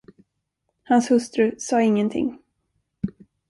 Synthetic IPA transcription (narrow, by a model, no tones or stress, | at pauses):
hanshɵst̪ɾɵsɑːɪŋːənt̪ʰɪ̰ŋː